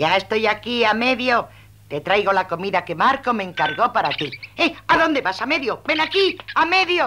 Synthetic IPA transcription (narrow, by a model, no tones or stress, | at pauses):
aest̪ojakiameðjo | t̪et̪ɾajɣolakomiðakemaɾkomẽŋkaɾɣopaɾat̪ieaðond̪eβasameðjobenakiameðjo